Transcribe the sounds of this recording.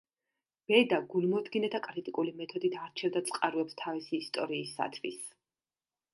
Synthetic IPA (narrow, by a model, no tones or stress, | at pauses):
b̥ɛd̪aɡulmɔd̪ɡinɛt̪ʰakʼɾit̪ʼikʼulimɛt̪ʰɔd̪it̪ʰaɾt͡ʃʰɛvd̪at̪sʼqʼaɾuɛpst̪ʰavisiːst̪ʼɔɾiːsːa̰t̪ʰwḭs